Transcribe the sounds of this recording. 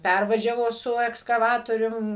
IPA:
ˈpʲærʋɐʒʲɛʋoː sʊ ɛkskɐˈʋɑːtoːrʲʊm

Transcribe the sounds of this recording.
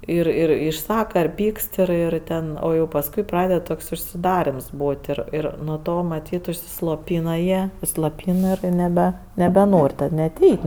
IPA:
ɪr ˈɪr ɪʃˈsɑːkɐ ɪr ˈpʲiːkst ɪr ˈɪr ˈtʲɛn ˈoː pɐsˈkʊɪ ˈprɑːdʲɛt ˈtoːks ʊʃʲsʲɪˈdɑːrʲɛms ˈbuːtʲ ɪr ˈɪr nuɔ ˈtoː mɐˈtʲiːt ʊʃʲsʲɪslˠoːˈpʲiːnɐ jiɛ slˠoːˈpʲiːn ɪr nʲɛˈbʲɛ nʲɛbʲɛˈnoːrʲ tɐt nʲɛt ˈɛɪtʲ

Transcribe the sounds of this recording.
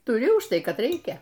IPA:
tʊˈrʲɪ ʊʃ ˈtɐɪ ˈkɐt ˈrʲɛɪkʲɛ

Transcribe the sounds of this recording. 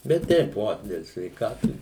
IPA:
bʲɛt ˈtʲɛɪp ˈoː dʲɛlˠ sʲʋʲɛɪkɐtʊ

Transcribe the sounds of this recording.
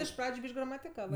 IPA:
ɪʃ ˈprɑːd͡ʒʲʊ ˈbʲiːʃʲkʲ ɡrɐmɐtʲɪˈkɑːʋɜ

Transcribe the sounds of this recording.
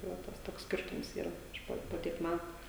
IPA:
tɐɪ ˈʋɐ ˈtɐs toːks ˈsʲkʲɪrtʊms ˈiːrɐ ˈɐʃ poː poː ˈtʲiɛk ˈmʲætʊ

